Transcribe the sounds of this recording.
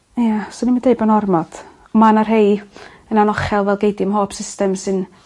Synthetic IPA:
ijasoɔnimadeɨbənɔrmɔd̥ | ɔmanarɦej | ənanɔχɛlˠvɛlˠɡejdiəmɦoːpʰsɪstɛmsɨn

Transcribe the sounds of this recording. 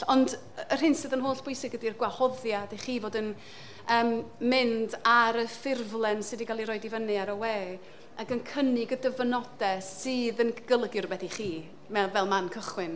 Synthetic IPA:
ɔnd | ər̥ɪnsɨðənɦoːɬb̥ʊjsɪɡədirɡwahɔðjadejχiːvoːdən | əːmmɪndaɾəfɪrvlˠɛnsɨdikʰalˠiɾɔɨdivənɨaɾəweː | aɡənkʰənɪɡədəvənɔdɛsɨːðənɡ̥əlˠəɡjɨrbɛθiχiː | mɛvɛlˠmankʰəχwɪn

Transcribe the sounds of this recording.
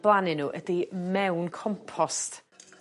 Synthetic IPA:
b̥lˠanɪnuːʔədimɛwnkʰɔmpʰɔst

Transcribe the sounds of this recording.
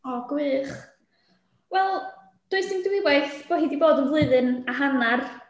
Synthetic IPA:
ɔɡwɨːχ | wɛlˠ | d̥ʊɨsɨndwɪwajθb̥oːɦidiboːdənvlˠʊɨðɨnaɦanar

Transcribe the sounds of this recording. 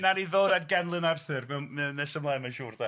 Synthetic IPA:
naniðoːdadɡɛnlˠənarθɨrmɛwmɛnɛsəmlˠaɨmɛnʃuːrda

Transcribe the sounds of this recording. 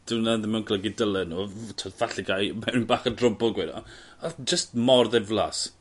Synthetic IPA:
d̥ɪwnaðəmɛwnkʰləɡidəlɛnuːtʰoːdvaɬiɡajmɛwnibaːχədrʊbɔɡwɛdɔ̰ | ad͡ʒəst̚mɔrðɛvlˠas

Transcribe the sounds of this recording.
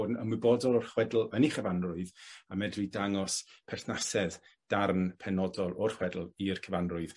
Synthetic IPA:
dnə̰mwɨbodɔlɔrχwɛdl̩ˠəniχəvanrʊɨðamɛdridaŋɔspʰɛrθnasɛð | d̥arnpʰɛnɔdɔlˠɔrχwɛdl̩ˠirkʰəvanrʊɨð̥

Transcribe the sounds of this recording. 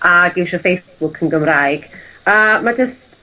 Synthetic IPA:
ʔaɡɪwʃɔfejsb̥ʊkʰənɡəmrajɡ̥əmad͡ʒəst

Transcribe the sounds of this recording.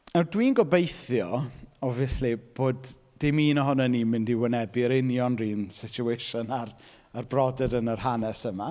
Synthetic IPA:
nɛwdwiːnɡɔbejθjɔɔvjɛslib̥oːd | d̥ɪmiːnəɦʊnɛniːmɪndiwɪnɛbiɾɪnjɔnriːnsɪt͡ʃʰuejʃənar | arbrɔdɛdənərhanɛsəma

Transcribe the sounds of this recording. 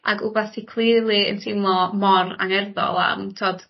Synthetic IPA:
a̰ɡubaθtʰikʰlˠilˠiə̰ntʰɪmlˠɔmɔra̰ŋɛrðɔ̰lˠa̰mtʰoːd̥

